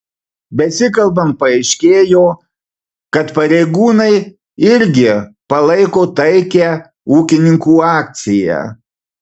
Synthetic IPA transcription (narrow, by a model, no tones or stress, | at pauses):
bʲɛsʲɪkɐlˠbɐmpɐɐɪʃʲkʲeːjoː | kɐt̪pɐɾʲɛɪɡuːnɐɪ | ɪɾʲɡʲɪpɐlˠɐɪkoːt̪ɐɪkʲɛ | uːkʲɪnʲɪŋkuːɑːkt̪sʲɪjæ̰